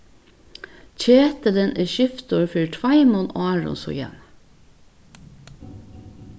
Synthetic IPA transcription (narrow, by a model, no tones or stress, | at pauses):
c͡çʰeːt̪ələnʔeːʃʏft̪oːɹfyːɹʈʰʋɑɪmɔnɑːɹɔ̰nsɔ̰jɛ̰n